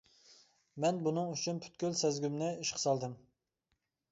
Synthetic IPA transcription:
mɛnbunɨŋyt͡ʃʰynpʰy̥t̪̚kʲylsɛzɡʲymnɪiʃqʰə̥sɑlˠd̪ɨm

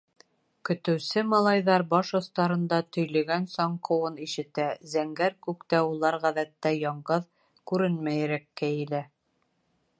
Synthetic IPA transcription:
kɵ̆t̪ɘ̆wsɘmɑlˠɑjðɑɾbɑʃŏθt̪ɑɾɤ̆nd̪ɑt̪ɵ̆jlɵ̆ɡænsɒɴqʰɤ̆wɤniʃɘ̆t̪æzæŋɡæɾkʉkt̪æulˠɑɾʁæðæt̪ːæjɒɴɢɤð | kʉɾɘnmæjɾækːæjɘ̆læ

